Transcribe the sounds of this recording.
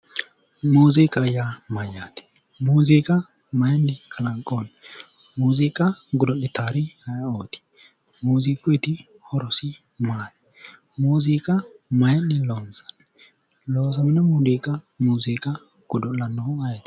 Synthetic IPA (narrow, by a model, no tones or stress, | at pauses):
muːziːkʼɐjamɐjːaːt̪ɪ̥ | muːziːkʼɐ | mɐjɐnːɪkʰɐlɐŋkʼːon | muːziːkʼɐɡʊd̪ɔʔɪt̪ːaːɾɪhɐjoːt̪ɪ̥ | muːziːkʼːʊjɪt̪ɪ | hɔɾɔsɪ | maːt̪ | muːziːkʼɐmɐjɐnːɪloːnsɐ̥n | loːsɐmɪnɐmuːd̪iːkʼɐ | muːziːkʼɐ | ɡ̥ʊd̪ɔlɐnːɔhʊɐjɐt̪